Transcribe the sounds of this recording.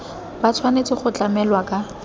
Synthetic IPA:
bat͡sʰwanet͡sʼɪχʊt͡ɬamɛlwakʼa

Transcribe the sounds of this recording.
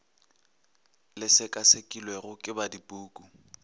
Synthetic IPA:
lɪsɪkʼasekʼilweɣʊkʼɪbadipʼuːkʼu

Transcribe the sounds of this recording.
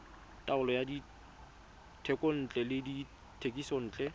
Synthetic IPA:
tʼaʊlɔjadi | tʰɛkʼon̩t͡ɬʼɛlɪdi | tʰekʼisɔn̩ːt͡ɬʼɛ

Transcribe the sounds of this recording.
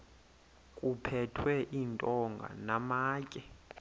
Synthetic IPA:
kʼupʰɛtʰwɛʔintʼɔŋɡʱa̰namaːkʼɛ

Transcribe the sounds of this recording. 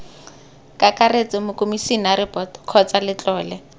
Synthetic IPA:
kʼakʼaret͡sʼɪmʊkʼomisinaɾɪpʼɔtkʰɔt͡sʼalɪt͡ɬʼɔːlɛ

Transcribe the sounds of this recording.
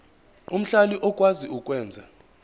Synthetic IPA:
um̩ɬaliʔɔkʼwaziuk̬ʼwɛːnd͡zʱa

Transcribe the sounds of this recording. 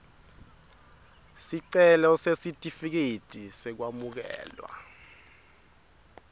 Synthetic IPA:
siǀɛlɔsesitʼifik̬itʼisɛk̬wamuk̬ɛ̰ːlwa̰

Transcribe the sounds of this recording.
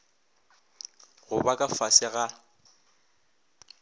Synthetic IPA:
ɣʊbakʼafasɪɣa

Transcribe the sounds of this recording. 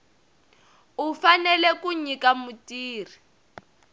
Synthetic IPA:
ufanɛlɛkuɲikamutiːri

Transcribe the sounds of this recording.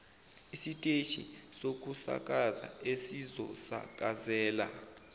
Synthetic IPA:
isitʼet͡ʃʰʼḭsok̬ʼusa̰kʼaza̰esizɔ̰sa̰kʼazɛːla̰

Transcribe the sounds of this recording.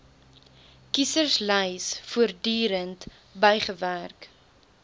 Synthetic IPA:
kisərsləjsfuərdyːɾənt | bɛjχəværk

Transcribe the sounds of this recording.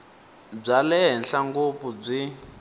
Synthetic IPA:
b͡ʐalɛɦɛnɬaŋɡopub͡ʐi

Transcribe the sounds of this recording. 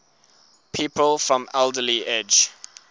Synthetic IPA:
pʰiˑpəlˠfɹɔ̃mɛlˠdəliʔed͡ʒ

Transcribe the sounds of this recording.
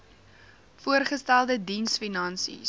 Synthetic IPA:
fuərχəstælˠdədinsfinɐnsḭ

